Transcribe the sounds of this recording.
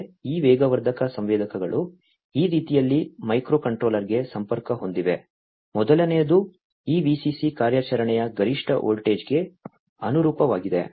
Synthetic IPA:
iːʋɛːɡɐʋɐɾd̪ʱɐkɐsɐmʋɛːd̪ʱɐkɐɡɐɭu | iːɾiːt̪ijɐlːimɐjkɾoːkɐɳʈɾo̞ːlɐɾɡe̞sɐmpɐɾkɐɦo̞nd̪iʋe̞ | mɔd̪ɐlɐnejɐd̪u | iːʋiːsisikaːɾjaːt͡ʃɐɾɐɳɛjɐɡɐɾiʂʈʰɐʔoːlʈe̞ːd͡ʒɡe̞ | ɐnuɾuːpɐʋaːɡid̪e̞̰

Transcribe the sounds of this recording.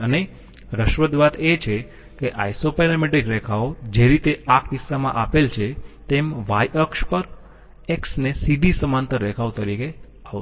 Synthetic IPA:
əne | ɾəʃʋəd̪ʋat̪et͡ʃʰe | keʔajsopɛləmiʈikɾɛkʰaod͡ʒeɾit̪eakʰt̪isːamã̰ʔapelt͡ʃʰet̪emʋajəkspəɾ | eksnesiɖisəmant̪əɾːɛkʰaʋt̪əɾike | a

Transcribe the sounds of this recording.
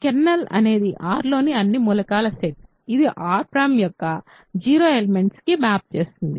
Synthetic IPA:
kenːɐlɐ̰ne̞ːd̪iʔaːɾlo̞ːniɐnːimulɐkaːlɐseʈ | id̪iʔaːɾpɾamjɔkːɐ | d͡ʒiːɾo̞ːeleme̞ɳʈskimaːp̚t͡ʃe̞ːst̪und̪i

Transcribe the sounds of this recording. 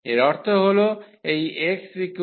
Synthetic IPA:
eɾɔɾt̪ʰoɦoloejeksiku

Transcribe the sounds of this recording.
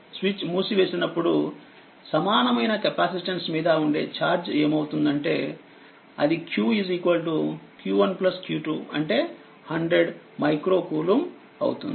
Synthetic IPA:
sʋit͡ʃmuːsiʋe̞ːsinɐpːuɽu | sɐmaːnɐmɐjnɐkɐpaːsiʈɐnsmiːd̪ɐuɳɖe̞̰ːt͡ʃaːɾd͡ʒeːmɐwut̪und̪ɐɳʈe̞ː | ɐ̰d̪ikjuːiziːkʋɐlʈukjuːʋɐnplɐskjuːʈuːɐ̰ɳʈe̞ː | hɐɳɖɾeɖ | mɐjkɾo̞ːkuːlum | ɐ̰wut̪und̪i

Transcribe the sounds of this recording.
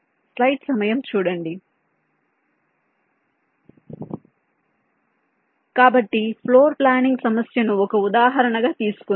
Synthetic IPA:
slɐjʈsɐmɐjɐmt͡ʃuːɽɐɳɖi | kaːbɐʈːipʰloːɾplaːniŋɡsɐmɐsjɐnuɔkɐud̪aːɦɐɾɐɳɐɡaːt̪iːsu̥ku

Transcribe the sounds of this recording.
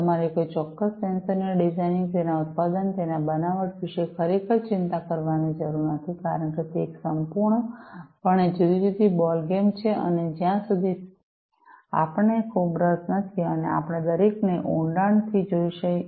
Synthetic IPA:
t̪əmaɾikojt͡ʃɔkːəsːensəɾnəɖid͡ʒajnĩŋt̪enaut̪̚pad̪ənt̪enabənaʋəʈʋiʃekʰəɾikʰəɾt͡ʃɪnt̪akəɾʋanid͡ʒəɾuɾnət̪ʰikaɾəɳket̪eːksəmpuɾɳəpəɳ̃ed͡ʒud̪iɾid̪ʱibɔlɡemt͡ʃʰeʔə̰ned͡ʒjãsud̪ʱi | a̰pəɳekʰubɾət̪nət̪ʰiənḛa̰pɽ̃ed̪əɾekneʔõɳɖaɳt̪ʰid͡ʒoiʃəi

